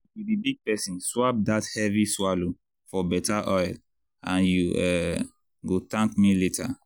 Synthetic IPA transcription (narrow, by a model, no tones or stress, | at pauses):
tubibiɡ̚pɛsĩnswap̚dathɛviswalo | fɔbɛtaʔɔjl | ãnjuɛ | ɡotãŋkmiletʰa̰